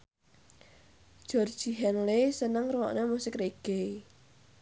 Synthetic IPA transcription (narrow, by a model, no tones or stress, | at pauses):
d̥ʒ̥ɔ̤rd̥ʒ̥i̤ɦɛnlesənəŋrəwɔ̰ʔnemusɪkreɡ̥e